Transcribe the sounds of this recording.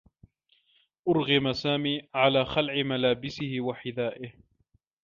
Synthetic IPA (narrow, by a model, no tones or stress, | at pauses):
ʔʊɾɣɪmasaːmiːʕalaːxalʕɪmalaːbɪsɪhɪwaħɪðaːʔɪh